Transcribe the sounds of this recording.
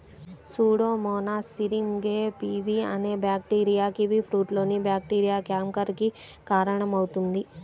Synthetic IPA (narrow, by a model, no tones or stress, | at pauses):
suːɽoːmɔːnaːsiɾiŋɡeːpiʋiɐ̰ne̞ːbjaːk̚ʈiːɾijaːkiʋipʰɾuːʈlo̞ːnibjaːkʈiːɾijaːkjaːmkɐɾki | kaːɾɐɳɐmɐwut̪und̪i